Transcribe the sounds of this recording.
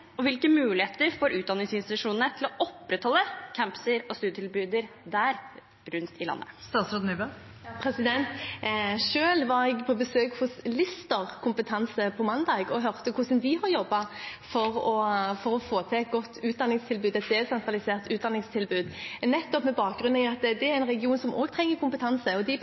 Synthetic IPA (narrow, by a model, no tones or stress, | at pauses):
ɔʋɪlkəmʉːlɪheːt̪əɾfoːɾʉːt̪d̪ɑnɪŋsɪnst̪ɪt̪ʉʂuːnnət̪ʰɪlɔʔɔpːɾɛt̪hɔlːəkʰæmpə̥səɾɔst̪ʉːət̪ʰɪlbʉːd̪əɾ | d̪æːɾ | ɾʉnt̪ʰɪlɑ̰nːə̰st̪ɑːt̪sɾod̪nybə | pʰɾɛsɪd̪ɛnt̪ | ʂøːlʋɑɾɛɡpʰɔbəsøːkhʊslɪst̪əʁkʰʊmpət̪ʰɑnsəpʰɔmɑnd̪ɑːɡɔɦœʁt̪əkʰʊsənd̪ɪɦɑɾjɔbːɑfɔʁɔfɔɾɔfoːt̪ʰɪɛt̪̚ɡɔt̪ʰːʉːt̪d̪ɑnɪŋst̪ʰɪlbʉːd̪ɛt̪̚d̪ɛːsɛnt̪ʰʁɑlɪseːʁt̪ʉːt̪̚d̪ɑnɪŋst̪ʰɪlbʉːd̪nɛt̪ːɔpmɛbɑːkɡɾʁʉnnɪɑt̪d̪ɛæɾɛnʁɛɡɪuːnsɔmʔoːɡt̪ʰɾɛŋːəɾkʰʊmpət̪ʰɑnsəɔd̪ɪ